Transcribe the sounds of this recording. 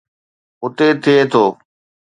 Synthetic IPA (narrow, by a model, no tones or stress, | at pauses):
ʊt̪eːt̪ʰɪeːt̪ʰoː